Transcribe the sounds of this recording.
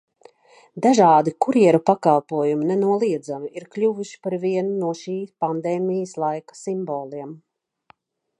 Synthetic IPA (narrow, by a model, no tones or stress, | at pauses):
d̪aʒɑːd̪ikuɾiɛɾupakalˠpuɔjuminɛnuɔlˠiɛd̪zamiiɾklʲuvuʃi̥paɾviɛnunuɔʃiːpand̪ɛːmijəslˠajkḁsimbɔːlˠiɛm